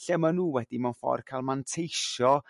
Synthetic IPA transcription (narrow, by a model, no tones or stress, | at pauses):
ɬɛmanuːwɛd̥imanfɔ̰rkʰajlˠmantʰejʃɔ